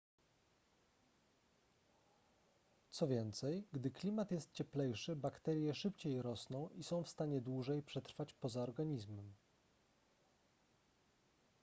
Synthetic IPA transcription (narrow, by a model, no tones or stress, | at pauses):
t̪sɔvʲjɛnt̪sɛjɡd̪ɘklʲimat̪jɛst̪̚t͡ɕɛplɛjʂɘbakt̪ɛɾʲjɛʂɘpt͡ɕejɾɔsnɔ̃w̃ʔisɔ̃w̃fst̪aɲɛd̪wuʐɛjpʂɛt̪ɾfat͡ɕpɔzaɔɾɡaɲizmɛm